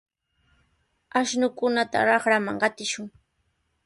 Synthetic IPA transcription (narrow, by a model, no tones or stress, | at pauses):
aʃnʊkʊnat̪a̰ɾɑχɾamaŋɢɑt̪ɪʃʊŋ